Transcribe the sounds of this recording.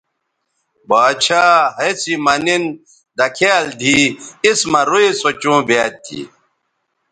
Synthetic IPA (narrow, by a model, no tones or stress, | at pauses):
baːt͡ɕʰaːɦɐt͡simɐnin | d̪ɐkʰeːld̪ʱiismɐɾuisot͡ɕũːbeːt̪̚ʰːḭː